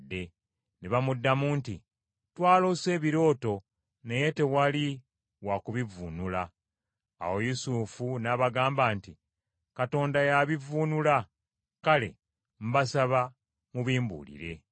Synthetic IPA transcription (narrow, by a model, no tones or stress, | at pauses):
dːe̞ | neβamudːamunti | twaːlo̞se̞ːβiɾo̞ːto̞ | ne̞je̞te̞wali | wakuβivuːnula̰ː | wo̞jusufunaβaɡaːmbaːnti | kato̞ːndajaβivuːnula | kale̞̰ | m̩basaβa | muβiːmbṵːlḭɾe̞̰